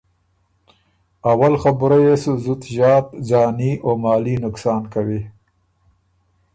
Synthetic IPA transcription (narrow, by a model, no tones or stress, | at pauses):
awalxabuɾajesuzut̪ʒɑːt̪d͡ʒɑːniʔomɑːlinʊksɑːnkawi